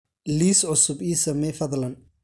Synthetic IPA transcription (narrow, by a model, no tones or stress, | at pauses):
liːsʕʊsʊbiːsɐmɛfɐðlɐn